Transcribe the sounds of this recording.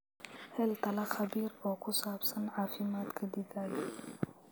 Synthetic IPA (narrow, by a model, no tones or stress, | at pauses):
helt̪ɐlɐxɐbiːɾoːkʰʊsaːbsɐnʕaːfimaːt̪kʰɐd̪id̪aːj